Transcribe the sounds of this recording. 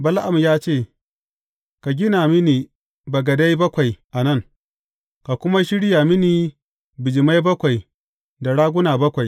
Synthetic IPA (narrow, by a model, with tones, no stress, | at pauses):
bɐ˦lʔa˨mjaː˦t͡ʃeː˦˨ | ka˨ɡʲɪ˦naː˨mɪ˦niː˨ | bɐ˨ɡɐ˨da˦jbɐ˦kʷa˨jʔa˨nɐ˦˨ŋ | ka˨kʷʊ˦ma˦ʃɪ˦ɽja˨mɪ˦niː˨ | bɪ˨d͡ʒɪ˨ma˦jbɐ˦kʷa˨j | da˨ɽaː˦ɡʷʊ˦naː˨bɐ˦kʷa˨j